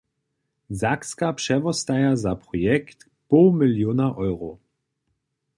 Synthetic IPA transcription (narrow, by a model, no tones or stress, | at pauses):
zakskapʂɛvɔst̪ajazapɾɔjɛkt̪ | pɔwmɪljonaʔɔjʁɔ